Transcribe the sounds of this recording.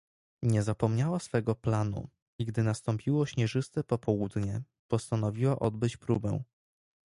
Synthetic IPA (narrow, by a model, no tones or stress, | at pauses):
ɲɛzapɔmɲawasfɛɡɔplanṵ | iɡd̪ɘnast̪ɔmpʲʰiwɔɕɲɛʐɘst̪ɛpɔpɔwud̪ɲɛ | pɔst̪anɔvʲiwaʔɔd̪bɘt͡ɕpɾubɛ̰w̃